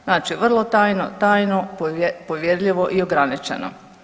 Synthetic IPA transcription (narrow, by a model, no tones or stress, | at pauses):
znaːt͡ʃiʋr̩lˠot̪aːjno̰t̪aːjnopoʋjed̪ʎʲiʋo̞ʔioɡɾanit͡ʃḛno̰